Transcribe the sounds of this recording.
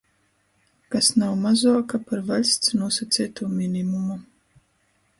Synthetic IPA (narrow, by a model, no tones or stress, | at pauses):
kasnawmazuɔkapaɾvalʲst̪snuɔsat̪sʲɛːt̪uːmʲinimuma